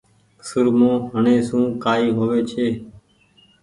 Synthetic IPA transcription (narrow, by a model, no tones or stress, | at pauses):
səɾmũːɦəɳẽːsũːkaːiːɦoːʋeːt͡ʃʰeː